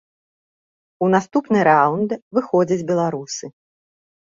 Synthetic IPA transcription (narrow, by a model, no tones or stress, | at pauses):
unast̪upnɨɾawnd̪vɨxɔd͡zʲɐd͡zʲbʲɛlˠaɾusɨ